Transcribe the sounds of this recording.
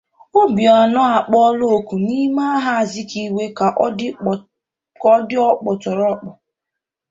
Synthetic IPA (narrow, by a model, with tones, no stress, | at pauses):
o˦bi˨ɔ˨nɔ˦a˨k͡pɔ˦lo˦o˨ku˨ni˦ma˦a˦ɦa˦a˨zɪ˦ki˦we˦ka˨ʔ | kɔ˦dɪ˦ɔ˦k͡pɔ˨tɔ˨ɾɔ˦k͡pɔ˨